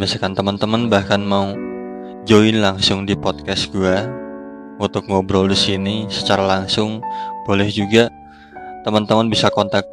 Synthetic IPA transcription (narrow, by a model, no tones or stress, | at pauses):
masakant̪əmənt̪əmənbahkanmau | d͡ʒoɪnlaŋsʊŋdipɔt̪̚kɛsɡua | unt̪ʊk̚ŋobɾɔldisinisə̥t͡ʃaɾalaŋsʊŋb̥olɛhd͡ʒuɡa | t̪əmənt̪əmənbisakɔnt̪ak̚